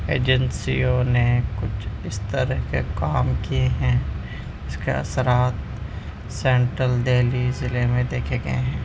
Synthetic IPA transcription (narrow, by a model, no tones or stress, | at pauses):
ḛːd͡ʒə̃nsiõnekʊt͡ʃʰɪst̪əɾəɦkḛkaːmkieɦɛ̃ | ɪskḛɐ̰səɾaːt̪ | sɛ̃ːɳʈɾəld̪eːlizɪlemẽd̪eːkʰeɡɐḛɦɛ̃ː